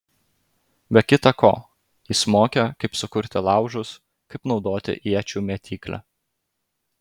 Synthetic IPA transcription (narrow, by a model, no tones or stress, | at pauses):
bʲɛkʲɪt̪ɐkʰo̰ː | jɪsmoːkʲɛkɐɪpsʊkʊɾʲt̪ʲɪlˠɑˑʊʒʊs | kɐɪpnɒʊd̪oːt̪ʲɪ̰ʔiɛt͡ʃʲuːmʲɛt̪ʲʰiːklʲæ̰